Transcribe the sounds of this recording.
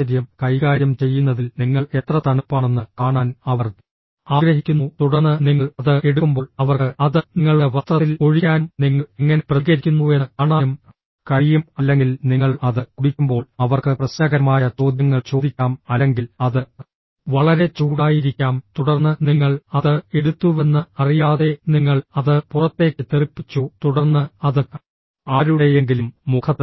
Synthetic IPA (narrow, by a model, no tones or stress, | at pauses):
ɐɾjɐmkɐjkaːɾjɐmt͡ɕe̞jːunːɐðilniŋːɐɭe̞t̪rɐt̪ɐɳupːaːɳenːɨkaːɳaːnɐʋɐr | aːɡɾɐɦikʲːunːut̪uɽɐrnːɨniŋːɐɭɐðɨe̞ɽukːumbo̞ːɭɐʋɐrkɨɐðɨnŋːɐɭeʋɐst̪rɐt̪ːilo̞ɻikʲːaːnmniŋːɐeŋːɐneprɐɣɐɾikʲːunːuekaːɳaːum | kɐɻijumɐlːe̞ŋɡilniŋːɐɭɐðɨkuɽikʲːumbo̞ːɭɐʋɐrkɨprɐɕɐɡɐɾɐmaːjɐt͡ɕo̞ːd̪jɐŋːɐɭt͡ɕo̞ːd̪ikʲːaːmɐlːeŋɡilɐðɨ | ʋɐɭɐɾe̞t͡ɕuːɽaːjiɾikʲːaːmt̪uɽɐrnːɨniŋːɐɭɐðɨeɽut̪ːuʋe̞nːɨɐrijaːðe̞niŋːɐɭɐðɨpurɐt̪ːe̞ːkʲːɨt̪iripːit͡ɕːut̪uɽɐrnːɨɐðɨ | aːɾuɽejeŋɡilumːukʰɐt̪ː